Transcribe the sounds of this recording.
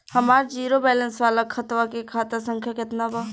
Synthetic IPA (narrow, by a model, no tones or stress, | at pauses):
həmaːɾd͡ʒiːɾobɛːlə̃nsʋaːlakʰət̪ʋakekʰaːt̪asə̃ŋkʰjakɪt̪naːbaː